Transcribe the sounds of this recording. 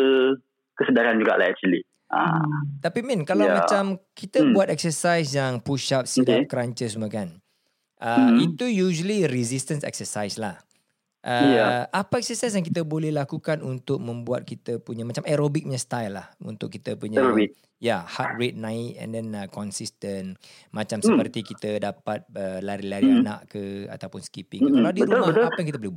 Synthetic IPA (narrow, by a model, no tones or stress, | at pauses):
ə | kəsədaɾand͡ʒuɡa̰ʔla̰hɛk̚t͡ʃuli | a̰t̪apimɛ̃nkalamat͡ʃamkʰit̪əbuat̪̚ɛk̚səsajs̬jaŋpuʃap̚sidakəɾaɲt͡ʃəs̬muəkan | ʔəit̪ujuʒəliɾizist̪ə̃nsɛ̰k̚səsajslah | ʔəaʔapaɛk̚səsajs̬jaŋkit̪əbolɛhlakukanunt̪ʊk̚mə̃mbuat̪̚kit̪əpuɲamat͡ʃamɛɾobik̚ɲɲãst̪ajlːahṵnt̪ʊkit̪əpuɲabi | jahat̪̚rɛt̪̚nãɪt̪̚ɛ̰̃ndɛnəkɔnsist̪ən | mat͡ʃamsəpərt̪ikit̪ədapat̪̚əlaɾilaɾanã̰ʔkəa̰t̪awpʊnskipiŋkkalawdiəɾulmaapajaŋkit̪əbolɛhbuat̚